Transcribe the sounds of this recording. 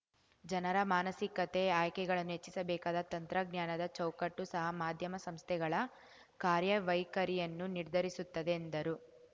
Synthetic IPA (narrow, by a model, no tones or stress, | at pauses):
d͡ʒɐnɐɾɐmaːnɐsikɐt̪e̞aːjkɛɡɐɭɐnːuɦe̞t͡ʃːisɐbɛːkaːd̪ɐt̪ɐnt̪ɾɐɡnjaːnɐd̪ɐt͡ʃɐwkɐʈːusɐɦɐmaːd̪ʱjɐmɐsɐmst̪ʰɛɡɐɭɐ | kaːɾjɐʋɐjkɐɾijɐnːuniɾd̪ʱɐɾisut̪ːɐd̪e̞ːnd̪ɐɾu